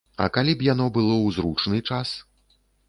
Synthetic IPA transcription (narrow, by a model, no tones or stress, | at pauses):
ɐ̰kalʲipjanɔbɨlˠɔwzɾut͡ʂnɨt͡ʂas